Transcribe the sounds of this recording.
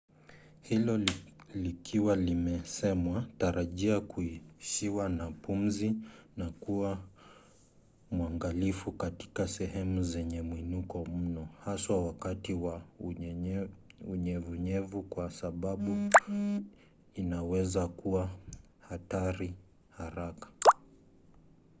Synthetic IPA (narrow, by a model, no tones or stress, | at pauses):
hilɔlikʰiwalimɛsɛmwataɾaʄiakuiʃiwanapum̩zinakuwa | muaŋɡalifukati̥kasɛhɛmuzɛɲɛmwinukɔm̩nɔhaswawakatiwa | uɲɛvuɲɛvukwasaɓaɓu | inawɛzakuwa | hataɾi | haɾakḁ